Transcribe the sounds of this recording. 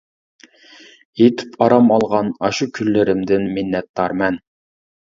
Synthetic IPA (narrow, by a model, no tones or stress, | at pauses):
et̪ʰɪ̥pʰɑɾɑmɑlˠʁɑnɑʃukʲʰylːɪɾɪmd̪ɪnminːɛt̪ːɑɾmɛn